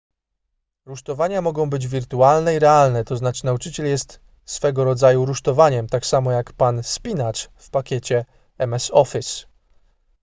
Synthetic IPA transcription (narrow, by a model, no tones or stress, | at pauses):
ɾuʂt̪ɔvaɲamɔɡɔ̃w̃bɘd͡ʑvʲiɾt̪ualnɛiɾɛalnɛt̪ɔznat͡ʂnaut͡ʂɘt͡ɕɛljɛst̪ | sfɛɡɔɾɔd̪zajuɾuʂt̪ɔvaɲɛmt̪aksamɔjakpanspʲinat͡ʂfpakʲet͡ɕɛ | ɛmɛsɔfʲis